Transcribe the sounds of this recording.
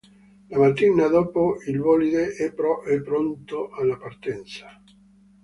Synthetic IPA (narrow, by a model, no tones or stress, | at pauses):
lamat̪ːiːnad̪oːpoilvɔlid̪eʔɛpːɾɔʔɛpːɾont̪oʔalːapart̪ɛnt̪sḁ